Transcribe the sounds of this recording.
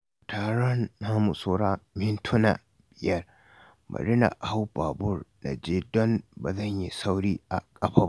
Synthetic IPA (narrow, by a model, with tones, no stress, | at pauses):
taː˨ɽɔ˦nːaː˦mu˨soː˦ɾaː˦mɪ˦ntʰʊ˦na̰˨ | b̥ɪ˨jɐ˦r | mɐ̰˨ɾɪ˦na̰˨ha˦wba˨bʊ˦rna̰˨d͡ʒeː˦dɔ˦nba˨zɐ˦˨ɲji˦sa˦wɽiː˦ʔa̰˨kʼɐ˦ɸaː˦